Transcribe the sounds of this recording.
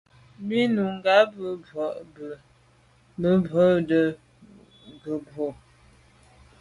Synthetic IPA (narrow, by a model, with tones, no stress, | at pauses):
mi˦nu˨ŋ˦ɡa˦bə˦bɔ˨ʔb | bə˦bə˦də˨ | ɡə˨bo˨